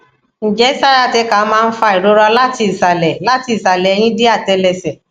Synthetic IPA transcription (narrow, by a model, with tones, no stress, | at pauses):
n̩˨d͡ʒɛ˦sa˦ɾa˦˨te˧˦ka˨˦mãː˦˧n̩˦fa˧˦i˨ɾo˨˦ɾɔ˧la˦ti˧i˨sa˨lɛ˨la˦ti˧˦i˨sa˨lɛ˨˦j̃ĩ˦de˦a˦˨tɛ˧lɛ˧˨sɛ˨